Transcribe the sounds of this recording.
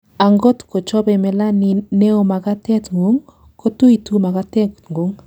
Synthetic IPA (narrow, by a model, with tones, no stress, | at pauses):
a˨ŋɡɔ˦tko˨t͡ʃɔ˦bɛ˨mɛ˨la˦ni˨ne˦o˨ma˨ɡa˦tɛ˦tŋɡu˦ŋ | ko˦tu˦i˨tu˦ma˨ɡa˦tɛ˦kŋɡo˨˦ŋ